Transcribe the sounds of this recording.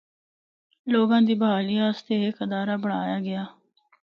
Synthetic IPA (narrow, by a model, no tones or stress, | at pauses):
loːɡãːd̪iːbəɦaːliːaːst̪eːekəd̪aːɾaːbəɳa̰ːjaːɡɪaː